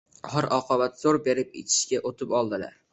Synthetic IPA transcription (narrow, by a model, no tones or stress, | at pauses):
haɾɒqʰɒvat̪z̥oɾbe̞ɾɪp̚ḛt͡ʃʰɪ̥ʃkʲaʔot̪ʰɪpɒlˠd̪ɪla̰ɾ